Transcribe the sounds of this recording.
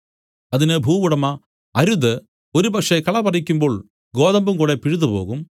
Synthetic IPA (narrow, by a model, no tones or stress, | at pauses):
ɐðinɨbʱuːʋuɽɐmɐ | ɐɾuðɨ | oɾubɐkʂekɐɭɐbɐrikʲːumbo̞ːɭ | ɡo̞ːðɐmbumkuːɽepiɻuðupo̞̰ːɣum